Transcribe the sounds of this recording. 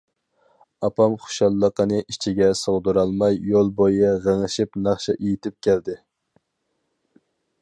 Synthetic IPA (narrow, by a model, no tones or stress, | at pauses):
ɑpʰɑmχʊ̥ʃɑlˠːəqənɨʔit͡ʃʰiɡʲɛsoʁd̪ɨɾɑlˠmɑjːolˠbojɛʁəŋəʃipnɑχʃɛʔejit̪ʰɪp̚kʲɛld̪ɪ